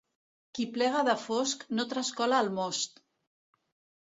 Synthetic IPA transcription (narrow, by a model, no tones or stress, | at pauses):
kiplɛɣ̞aðəfosknot̪ɾaskɔlaːlmost̪